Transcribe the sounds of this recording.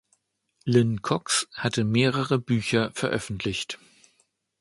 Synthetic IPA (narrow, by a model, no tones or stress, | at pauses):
lɪnkʰɔkshatʰəmeːʁəʁəbyːçɐfɛɐʔœfn̩tʰlɪçt